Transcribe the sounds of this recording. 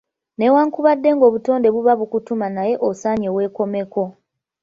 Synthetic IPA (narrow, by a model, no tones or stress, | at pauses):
ne̞waːŋkuβadːe̞ŋɡo̞ːβuto̞ːnde̞βuβaβukutumanaje̞ʔosaːɲewe̞ːko̞me̞ko̞